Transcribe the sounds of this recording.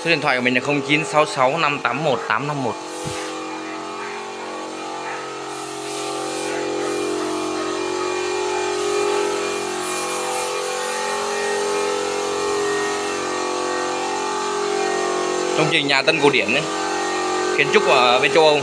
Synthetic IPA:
u˧˦˥kɗi˧˨nt̪ʰwːmï̟˨˩laː˨˩xə˧wŋ͡mt͡ɕi˨˦nsa˨˦wsa˨˦wna˧mt̪aː˨˦mːo˨˩t̚t̪aː˨˦mna˧mːo˨˩t̚ | t͡ɕɔ˧wŋ͡mt͡ɕï˨˩ŋ̟ɲaː˨˩t̪ə˧nkɗi˧˩ən˨˦ | xi˨˦ənt͡ɕʊ˦˥k͡p̚kṵ˧˩əve˧t͡ɕə˧wʔə˧wŋ͡m

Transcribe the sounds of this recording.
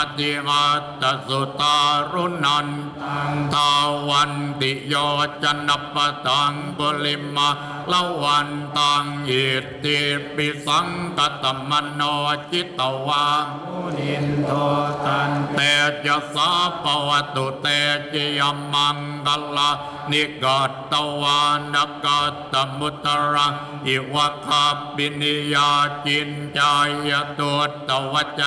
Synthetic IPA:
t̪i˧ʔa˧t̪a˨so˨t̪a˧ɾu˦na˧n | t̪a˧wa˧nt̪i˨jɔ˧t͡ʃa˧na˧p̚pa˧d̪a˨ŋpo˧li˧ma˧ | la˦wa˧nt̪a˧ŋi˨˩ | t̪i˧pi˧sa˦ŋka˧t̪a˨mːa˧nɔ˧t͡ʃi˦t̪a˨wa˧ | a˨nt̪e˧t͡ʃa˧sa˦pa˧wa˧t̪u˨t̪e˧t͡ʃi˧ja˧ma˧ŋ | ka˧la˧ | ni˧ɡa˨t̪t̪a˧wa˧na˧ka˧tt̪a˨mu˧t̪a˧ɾa˧ | i˨˩wa˧ka˧pi˧ni˧ja˧t͡ʃi˧nt͡ʃa˧ja˧t̪u˧ət̚t̪a˨wa˧t͡ʃa˧

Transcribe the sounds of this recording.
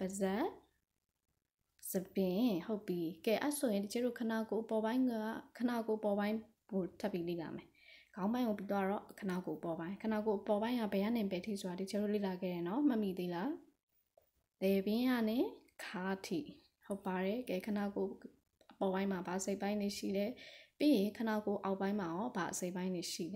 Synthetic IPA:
b̥ə˨zɛ˦ʔ | z̥ə˨bɪ̃˨ho˦ʊpːi˦kɛ˨ʔa˦ʔso˨jɪ̃˨nti˨t͡ʃʰɛ˦do˦˨kʰəna˨ko˨ʔəpɔ˨bã˦ɪ̃a̰˦kʰə˨na˨ko˨ʔəpɔ˨bã˦ɪ̃ | ɡo˨tʰa˦ʔpːji˦lḛ˦˨la̰˨mɛ˨ | ɡ̥ã˦ʊ̃mbã˦ɪ̃ŋɡo˨p̬i˦t̪̬wa˦ɹɔ̰˦˨kʰə˨na˨ko˨ʔəpɔ˨bã˦ɪ̃ŋkʰə˨na˨ko˨ʔəpɔ˨bã˦ɪ̃ŋɡa̰˦˨bɛ˨ja̰˦˨nɪ̃˨pɛ˨tʰḭ˦˨so˨a˨di˨t͡ɕʰɛ˦do˦˨lḛ˦˨la˨ɡɛ̰˦˨ɾɛ˨nɔ˦mə˦ʔmi˨d̪e˦˨la˨ | lɛ˨bɪ̃˦ja˦˨nɪ̃˨kʰa˦tʰḭ˦˨ | ho˦ʊpːa˨ɹɛ˨ɡɛ˨kʰə˨na˨ko˨ | əpɔ˨bã˦ɪ̃ma˨ba˨əse˦ɪʔpã˦ɪ̃nɪ˦˨ʃḭ˦˨lɛ˦pje˦˨jɪ̃˨kʰə˨na̰˨ko˨ʔa˨ʊpːã˦ɪ̃ma˨ɔ˦ba˨ʔəse˦ɪpã˦ɪ̃nɪ˨ʃḭ˦˨lɛ˨

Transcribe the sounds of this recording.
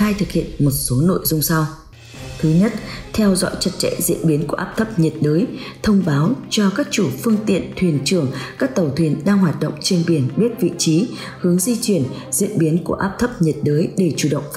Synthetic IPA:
aː˧jt̪ʰɨ˨˩k̚hḭ˧˨ənmo˨˩t̚so˨˦no̰˧˨jzʊ˧ŋ͡msa˧w | t̪ʰɨ˨˦ɲə˦˥t̚t̪ʰɛ˧wzɔ̰˧˥jt͡ɕə˦˥t̚t͡ɕɛ̰˧˨zḭ˧˥ənɓi˨˦nku˧˩əʔaː˦˥p̚t̪ʰə˦˥p̚ɲi˨˩t̚ɗəː˨˦jt̪ʰə˧wŋ͡mɓaː˨˦wt͡ɕɔ˧kaː˦˥k̚t͡ɕu˧˩fɨ˧əŋt̪ḭ˧˨ənt̪ʰwi˨˧˩ənt͡ɕɨ˧˩əŋkaː˦˥k̚t̪ə˨˩wt̪ʰwi˧˩ənɗaː˧ŋɦwaː˨˩t̚ɗə̰˧˨wŋ͡mt͡ɕe˧nɓi˧˩ənɓi˦˥t̚vḭ˧˨t͡ɕi˨˦ | hɨ˨˦əŋzi˧t͡ɕwi˧˩ən | zḭ˧˨ənɓi˨˦nku˧˩əʔaː˦˥p̚t̪ʰə˦˥p̚ɲi˨˩t̚ɗəː˨˦jɗe˧˩t͡ɕu˧˩ɗə̰˧˨wŋ͡m

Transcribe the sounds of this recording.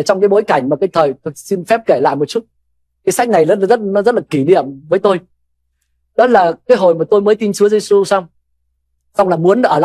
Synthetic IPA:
t͡ɕɔ˧wŋ͡mkaː˨˦jɓo˨˦jka˧˩jŋ̟maː˨˩kaː˨˦jt̪ʰəː˨˩jt̪̚si˧nfɛ˦˥p̚ke˧˩la̰ː˧˨jmo˨˩t̚t͡ɕu˦˥t̚ | kaː˨˦jsa˦˥k̟̚na˨˩jzɔ˨˦˥t̚zt̚nɔ˨˦zə˦˥t̚laː˨˩ki˧˩nḭ˧˨əmvəː˨˦jt̪o˧j | ɗɔ˨˦˥laː˨˩kaː˨˦jɦo˨˩jmaː˨˩t̪o˧jməː˨˦jt̪i˧nsɨ˨˦əze˧su˧sa˧wŋ͡m | sa˧wŋ͡mlaː˨˩mu˨˦ən˧ʔəː˧˩la̰ː˧˨

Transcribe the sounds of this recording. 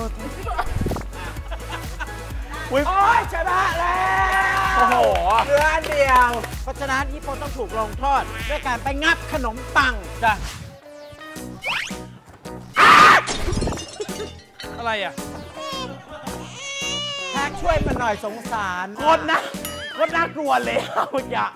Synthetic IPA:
u˨˦jɔ˦˧˥jt͡ɕʰa˧˦da˦˥˩la˧ | o˧ɦoː˩˨˦lɯ˧˦˧ndi˧əwpɔ˦˥t͡ɕʰa˧naː˦˥niː˦˥˩pʰoː˧t̪ɔ˥˩ŋt̪ʰuː˨˩k̚loː˧ŋt̪ʰɔː˥˩t̪̚du˥˩˨jkaː˧npa˧jŋa˦˥˩p̚kʰa˧no˩˦mt̪a˧ŋt͡ɕa˧˩ | ʔa˧ | ʔa˧ɾa˧jʔa˨˩ | pʰɛː˦˩k̚t͡ɕʰu˥˩əjma˧nːɔ˨˩jso˩˦ŋsaː˩˦nŋo˦˥t̪̚na˦˥ko˦˥t̪̚na˦˥klu˧ɐlɛ˧˩˨ja˧˩ʔ

